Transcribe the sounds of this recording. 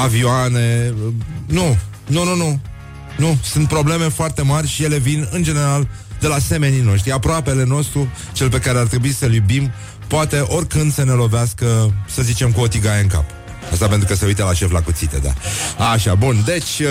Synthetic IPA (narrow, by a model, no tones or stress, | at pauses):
avioane̞ | nu | nununu | nusunt̪̚pɾo̞ble̞me̞foart̪e̞marʲʃije̞le̞vinɨnd͡ʒe̞ne̞ɾal | d̪e̞lase̞me̞nino̞ʃ̬t̪ɾiapɾoape̞le̞no̞st̪ɾu | t͡ʃe̞lp̬e̞kaɾeart̪ɾe̞buisəljubim | poat̪e̞ʔo̞rʲkɨnd̪səne̞lo̞veaskəsəzit͡ʃe̞mkuo̞t̪iɡaeɨŋka̰p | ast̪apent̪ɾukəse̞ujt̪elaʃe̞flakut̪sit̪ḛd̪a̰aʃabund̪e̞t͡ʃʲ